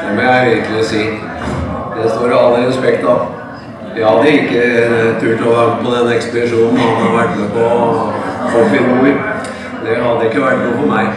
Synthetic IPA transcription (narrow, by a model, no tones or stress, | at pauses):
ɛmɔjæɪʋɪɾklɪɔsiː | d̪ɛst̪oːɾɪɑlːəɾɛspɛkt̪ɑ | jɑːɑd̪əɪkːəɾt̪ʰʉːʈ̪ɔʋɑːɾpʰɔd̪ɛnːɛkspəd̪ɪʂuːnn̩hɑnɑɾʋæʈːnəpɔ | pɔfɪɾmuɪ | d̪ɛɦɑd̪ːəɪkːəʋæʈːnuːfɔɾmæɪ